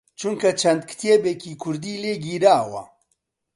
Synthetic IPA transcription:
t͡ʃʰuŋkʰɐt͡ʃʰɐnd̪̚kʰɨ̥t̪ʰeːbekiːkʰʊɾd̪iːleːɡiːɾaːwɐ̰

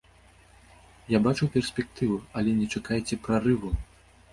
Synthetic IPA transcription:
jabat͡ʂuwpʲɛrsʲpʲɛk̚t̪ɨvuɐlʲɛnʲɛt͡ʂakajt͡sʲɛpɾarɨvu

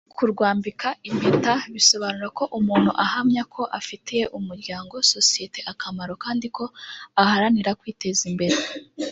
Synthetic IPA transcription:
kʰuɾɡwaːmbikʰaʔimbetaβiso̞βanuɾako̞ʔumuːn̥huʔahamɲakʰo̞ʔafiteje̞ʔumuɾɟaːŋɡo̞so̞sije̞te̞ʔakʰamaɾo̞kaːndikʰo̞ahaɾaniɾakwiːte̞zimbe̞ɾe

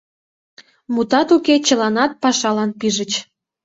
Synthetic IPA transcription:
mut̪ɑt̪uket͡ɕəlɑnɑt̪̚pɑʃɑlɑnpiʒət͡ɕ

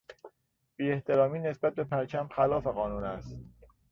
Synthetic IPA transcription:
b̥iːe̞ht̪ʰe̞ɾɒːmiːne̞sbæt̪̚be̞pʰæɾt͡ʃʰæmxælɒːfe̞ɣɒːnuːnæst̪

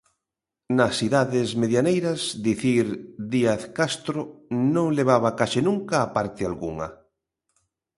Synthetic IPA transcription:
nɐsiðaðɪzmeðjanejɾɐzd̪iθiɾðiaθkast̪ɾonõŋleβ̞aβɐkaʃɪnũŋkaːpaɾt̪ɪalɣuŋɐ̰

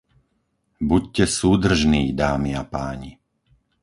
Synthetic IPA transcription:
buccɛsuːd̪r̩ʒniːd̪aːmiapaːɲi

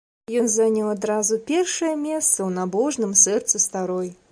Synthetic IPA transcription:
jɔnzanʲɐwad̪ɾazupʲɛrʂɐjɛmʲɛst̪sɐwnabɔʐnɨmsɛrt̪sɨst̪aɾɔj

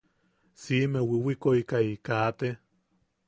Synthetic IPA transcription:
simewiwikoikaikat̪e

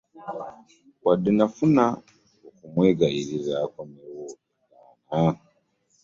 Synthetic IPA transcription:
kwadinafuna | okumweɡaiɾizakomewokikaːna

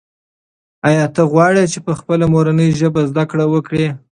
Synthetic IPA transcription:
ɑjɑt̪əɣwɑɽet͡ʃepəxpəlamoɾanəjʒəbazd̪akɽawəkɽe

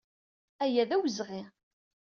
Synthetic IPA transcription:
æjæðæwəzʁi

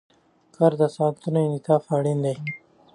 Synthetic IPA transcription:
kɐɾd̪asãːnt̪unenit̪ʰaːfaːɽind̪ej

